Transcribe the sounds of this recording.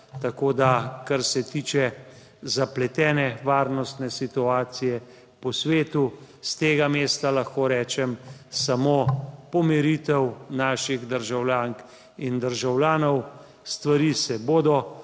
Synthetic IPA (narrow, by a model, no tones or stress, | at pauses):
t̪akoːd̪akaɾsɛt̪iːt͡ʃɛ | zaplɛt̪ɛːnɛʋaːɾnɔst̪nɛsit̪uaːt̪sijɛ | pɔsʋeːt̪u | st̪eːɡameːst̪alaxkoːɾɛːt͡ʃɛmsamoːpɔmɛɾit̪ɛwnaːʃiɣd̪əɾʒawlʲjaːŋk | ind̪əɾʒawljaːnɔw | st̪ʋaɾisɛboːd̪ɔ